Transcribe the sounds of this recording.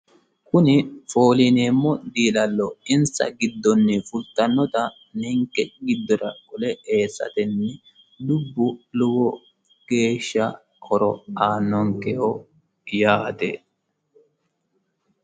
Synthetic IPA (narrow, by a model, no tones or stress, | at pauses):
kʊnɪfo̞ːlineːmːɔd̪iːlɐlːɔɪnsɐ̰ɡɪd̪ːɔnːɪfʊlt̪ːɐnːɔt̪ɐ | nɛŋkːɛɡɪd̪ːɔɾɐkɔlɛeːsːɐ̰t̪ɛnːɛ | d̪ʊbːʊlʊwɔ | ɡ̥e̞ːʃːɐ | ɔɾɔ̰aːnːɔŋkɛhɔ | jaːt̪ḛ